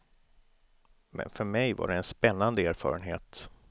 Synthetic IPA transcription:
mɛ̰nfœɾmɛjva̰ɖɛɛnspɛnːand̪əæːɾfɑ̰ːɾənɦeːt̪

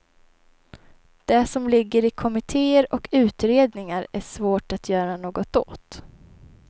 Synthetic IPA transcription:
d̪̥ɛsɔmlɪɡːəɾɪkʰɔmɪt̪ʰeːəɾɔkʰʉ̟ːt̪ɾeːd̪nɪŋaɾæʂvoːʈat̪ʰjœːɾanoːɡɔt̪o̰ːt̪

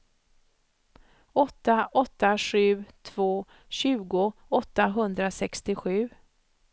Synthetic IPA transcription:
ɔt̪ːaʔɔt̪ːaɧʉ̟ːt̪ʰv̥oː | ɕʉ̟ːɡʊɔt̪ːaɦɵnd̪ɾasɛkst̪ɪɧʉ̟ː

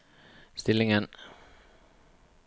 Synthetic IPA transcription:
st̪ɪlːɪŋən

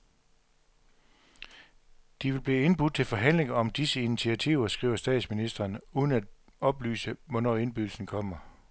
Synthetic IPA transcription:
d̥iʋe̝lb̥liːe̝nb̥ud̥̚t͡sʰe̝lfɒ̽ɦæn̰le̝ŋɐɒ̽md̥isəinit͡sʰiæt͡sʰiʊɐsɡ̥ʁḭːʊɐsd̥ɛ̰ːd̥sminisd̥ʁɐnuːðˠən̩æd̥ | ɒ̽b̥ly̰ːsəʋɒnɒ̰ːe̝nb̥yð̥l̩sn̩kʰɒ̽m̰ɐ

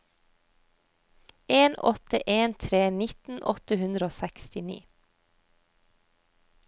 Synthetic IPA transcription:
eːnɔ̰t̪ə̰ʔeːnt̪ʰɾeːnɪt̪n̩ʔɔ̰t̪əhʉnd̪ɾəoːsɛkst̪ɪnḭː

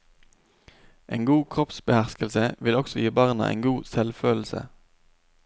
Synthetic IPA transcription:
ʔeːŋɡuːkʰʁɔpsbəhæʁskəlsəʋɪlɔksɔjiːbɑʁnɑ̰ʔḛːnɡuːsɛlføːll̩sə̰

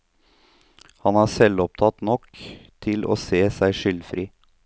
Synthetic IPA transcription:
hɑnæːsɛlɔp̚t̪ʰɑt̪nɔkt̪ʰɪlʔo̰ːseːsæɪʂʏlfɾiː

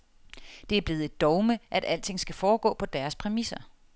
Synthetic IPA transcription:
d̥e̝æɐb̥e̝ːð̩ˠe̝d̥ːɒʊməʔæɾ̥æl̰d̥t͡sʰe̝ŋ̰sɡ̥æfɒːɡ̥ɔ̰̽ːpʰɒ̽d̥æɐspʰʁɛmisɐ

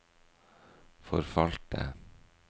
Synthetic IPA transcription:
fɔɾfɑlt̪ə̰

